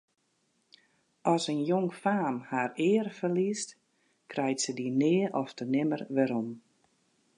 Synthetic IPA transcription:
ɔsənjoŋfaːmhaːrɪːrfərlist | krɛjtsədinɪːəʔɔftənɪmərʋɛɾɔm

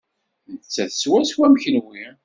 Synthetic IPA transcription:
nət͡sːæθəswæswæmçənwi

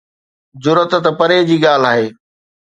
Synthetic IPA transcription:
zʊɾət̪t̪pəɾeːd͡ʑiːɠaːl̤aːɦeː

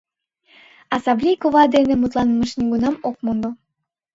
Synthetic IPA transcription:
ɑsɑmblʲijkoβɑd̪enĕmut̪lˠɑnəməʃnʲeɡunɑmok̚mund̪o

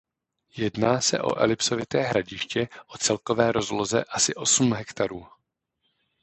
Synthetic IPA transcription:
jɛdnaːsɛ̰ʔo̞̰ʔɛ̰lɪpso̞vɪt̪ɛːɦɾaɟɪʃcɛʔo̞t͡sɛlko̞vɛːɾo̞zlo̞zɛʔasɪʔo̞sumɦɛkt̪aɾuː

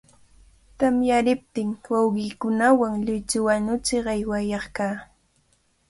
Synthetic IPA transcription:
t̪amjaɾɪp̚t̪ɪŋwawɢɪːkʊnawaŋʎʊjt͡ʃʊwanʊt͡ʃɪɑjwajɑχkaː

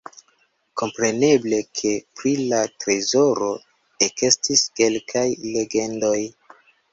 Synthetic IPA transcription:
ko̞mpɾe̞ne̞ble̞kʰe̞pɾilatɾe̞zo̞ɾo̞ | eke̞stiske̞lkʰajle̞ɡe̞ndo̞j

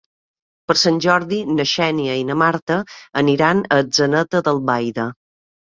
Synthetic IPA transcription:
pəɾsanʲʒɔɾðinəʃɛniəinəmaɾt̪əːniɾanəd͡zzənət̪əðəlˠβajðə

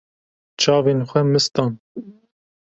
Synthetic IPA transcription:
t͡ʃʰɑːveːnxʷɛmɨst̪ɑːn

